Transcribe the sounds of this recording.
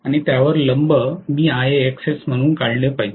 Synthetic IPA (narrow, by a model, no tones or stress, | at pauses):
aɽ̃it̪jaʋəɾləmbəmiːaɦeːksesm̤əɽ̃uːnkaɭɳepaɦi